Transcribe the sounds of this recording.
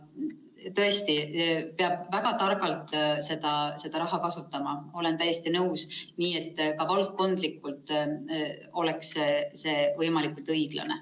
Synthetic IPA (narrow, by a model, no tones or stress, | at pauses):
t̪ɤe̞st̪ipeɑb̥væɡ̥ɑt̪ɑrɡɑlt̪se̞d̪̥ɑse̞d̪̥ɑɾɑɦɑkɑsut̪ːˑɑmɑo̞le̞nt̪æjest̪inɤwsniːe̞t̪ːkɑvɑlt̪̚kːo̞nd̪̥likːˑult̪ˑ | o̞le̞ksse̞ːvɤjmɑlikult̪ɤjɡ̥lɑ̰nḛ